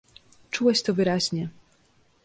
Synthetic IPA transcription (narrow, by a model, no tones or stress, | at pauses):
t͡ʂuwɛɕt̪ɔvɘɾaʑɲɛ